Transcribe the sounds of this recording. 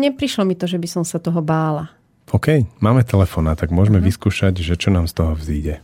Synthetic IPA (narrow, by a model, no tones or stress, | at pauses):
ɲɛpɾiʃlɔmit̪ɔʒɛbisɔmsat̪ɔɦɔbaːla | ɔkɛjmaːmɛt̪ʰɛlɛfɔːnat̪aɡmʊɔʒmɛʋiskuːʃaɟʒɛt͡ʃɔnaːmst̪ɔɦɔvziːɟɛ